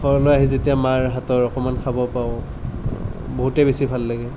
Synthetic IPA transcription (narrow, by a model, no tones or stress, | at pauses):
xɔɹɔlojaɦizetijamaɹɦatɔɹɔkɔmankʰabɔpaʊ | boɦutɛbesibʱalːaɡɛ